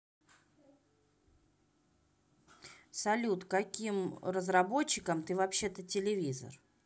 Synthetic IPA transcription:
sɐlʲut̪kɐkʲimrəzɾɐbo̞t͡ɕːɪkəmt̪ɨvɐpɕːe̞t̪ətʲɪlʲɪvʲizə̰r

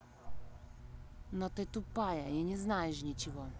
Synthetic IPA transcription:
not̪ɨt̪upajɐinʲɪznajɪʂnʲɪt͡ɕɪvo

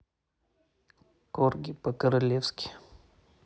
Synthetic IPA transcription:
korɡʲipəkəɾɐlʲefskʲɪ̥

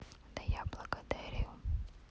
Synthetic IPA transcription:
d̪ɐjablˠɐkɐd̪ɛɾʲijʊ

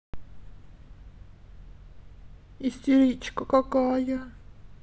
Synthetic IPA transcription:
ist̪iɾit͡ʃkokokaja

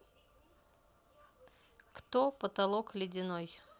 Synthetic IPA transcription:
kt̪opət̪ɐlˠoklʲɪdʲɪnoj

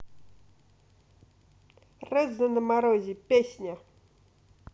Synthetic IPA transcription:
rəzənəmaɾoʑipʲesʲɲʲa

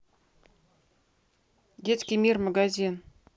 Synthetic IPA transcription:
ɡʲet͡sʲkʲimʲirmaɡazʲin

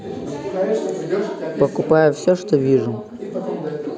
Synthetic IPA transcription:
pɐkʊpajʊfsʲɔʂt̪ɔvʲiʐʊ

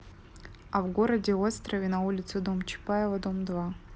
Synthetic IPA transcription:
ɐvɡo̞ɾədʲɪvot̪st̪ɾɐvʲɪnɐulʲɪt̪sɨd̪o̞mt͡ɕɪ̥paɛvɐd̪o̞md̪va

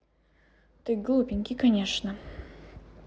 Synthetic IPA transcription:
t̪ɨjɡlˠupʲɪnʲkʲɪkɐnʲeʂnə

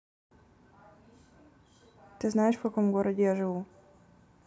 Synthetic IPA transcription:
t̪ɨznajɪʂfkɐkomɡoɾədʲɪjaʐɨvu

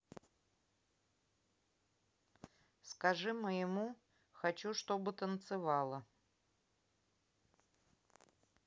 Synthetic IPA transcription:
skɐʐɨməjɪmu | xɐt͡ɕuʂt̪obɨt̪ənt̪sɨvɑlˠə

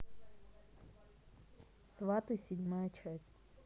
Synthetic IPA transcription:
svat̪ɨsʲɪdʲmajət͡ʃʰasʲtʲ

